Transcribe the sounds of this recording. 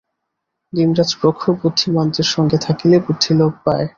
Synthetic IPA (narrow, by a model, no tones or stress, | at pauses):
ɡimɾad͡ʑpɾokʰːobut̪ʰːimɔnt̪ɾeɾʃɔŋɡet̪ʰakilebut̪ʰːilok̚pae